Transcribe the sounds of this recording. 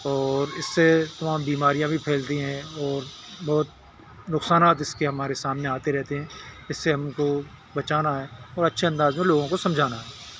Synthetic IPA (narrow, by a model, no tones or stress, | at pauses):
ɔːɾɪsːet̪ɐmaːmbiːmaːɾijãbʱipʰɛːlt̪iɦɛ̃ɔːɾbɔːt̪̚ | nʊksaːnaːt̪ɪskeɦɐmaːɾesaːmneaːt̪eɾɛɦt̪eɦɛ̃ːɪsːeɦɐmko | bɐt͡ʃaːnaɦɛːɔːɾɐtːʃʰeɐ̃nd̪aːzmẽloːɡõkosɐ̃md͡ʒʱaːnaɦɛː